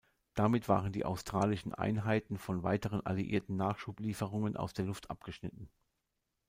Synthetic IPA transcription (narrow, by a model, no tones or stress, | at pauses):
d̥amɪtv̥a̰ːʁəndḭːʔa̰ʊstʁ̥a̰ːlɪʃn̩ʔa̰ɪnɦaɪtn̩fɔnva̰ɪtəʁ̞ənʔa̰liʔḭːɐtn̩naːχʃuːpliːfəʁʊŋənʔa̰ʊsd̥eːɐlʊftʰʔa̰pɡ̥əʃnɪtn̩